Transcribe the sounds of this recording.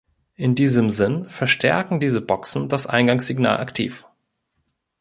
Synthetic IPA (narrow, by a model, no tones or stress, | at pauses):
ʔɪndiːzəmzɪnfɛɐʃtʰɛɐkŋ̩diːzəbɔksn̩dasʔa̰ɪnɡaŋsz̥ɪɡna̰ːlʔa̰ktʰḭːf